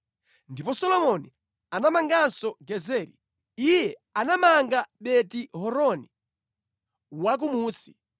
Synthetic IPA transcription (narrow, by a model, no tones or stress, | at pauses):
ndipɔsɔlɔmɔni | anamaŋɡansɔɡɛzɛːɾḭ | ijɛanamaŋɡaɓɛtiɦɔɾɔni | wak̬umuːsi̥